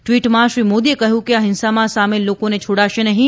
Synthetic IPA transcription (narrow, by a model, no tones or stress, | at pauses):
ʈʋiːʈmãʃɾiːmoːd̪iekɐɦjũkiaɦɪnsamãsaːmelːoːkõnet͡ʃʰoːɽaʃenɐɦĩ